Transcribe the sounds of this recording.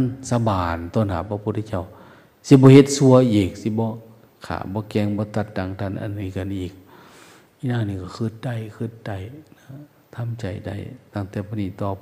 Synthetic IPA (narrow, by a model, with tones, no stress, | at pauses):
nsa˧baː˨˩nt̪ɔː˧˨nha̰ː˨˦pʰa˧pʰu˧˦t̪̚ʰːa˧t͡ɕa˧˩˨w | si˧˦bɔː˧˦he˧t̪̚su˧ɐʔiː˨˩k̚si˧˦bɔː˧˦ | kʰa̰ː˨˩bɔː˧˦kɛː˧˨ŋbɔː˧˦t̪a˧t̪̚da˧˨ŋt̪ʰa˧˨nʔa̰˧˨nːɯː˧˦˨ka˨nʔiː˨˩k̚ | ʔiː˧˨naː˧˨niː˧˩kɔ˧˩kʰɯ˧˩t̪̚da˧˩jkʰɯ˧˩t̪̚da˨˧˩jna˧ | t̪ʰa˧˥˨mt͡ɕa˨˩jda̰˧˩jt̪aː˧˩ŋt̪ɛː˧˩pʰɔː˧˦niː˧˨t̪ɔː˧˩p̚